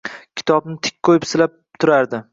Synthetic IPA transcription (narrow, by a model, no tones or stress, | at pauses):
kʲʰɪ̥t̪ʰɒbnɪt̪ʰɪ̥k̚ʲqʰojɪpsɪlap̚t̪ʰʊɾaɾd̪ɪ